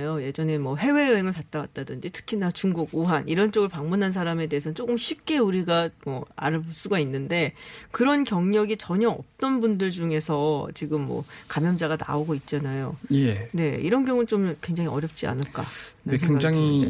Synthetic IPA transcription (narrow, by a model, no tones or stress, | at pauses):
joje̞d͡ʑʌne̞mwʌɦe̞we̞eŋɯɭtat̚t͈awat̚t͈adɯnd͡ʑitʰɯ̥kʰinat͡ɕuŋɡuɡuɦanʔiɾʌnt͡ɕ͈oɡɯɭpaŋmunɦansʰaɾame̞de̞ɦesʰʌnt͡ɕ͈oɡɯmɕʰɥip̚k͈e̞uɾiɡamwʌa̰ɾɯɭpus͈uɡainːɯnde̞kɯɾʌnkjʌŋɲʌɡit͡ɕʌɲʌʌ̰p̚t͈ʌnbundɯɭd͡ʑuŋe̞sʰʌt͡ɕiɡɯmːwʌ̰kamjʌnd͡ʑaɡana̰oɡoit̚t͡ɕ͈anajoene̞iɾʌnɡjʌŋut͡ɕ͈omkwe̞ŋd͡ʑaŋiʌɾjʌp̚t͡ɕ͈ia̰nɯɭk͈a̰nesʰkeŋd͡ʑaŋi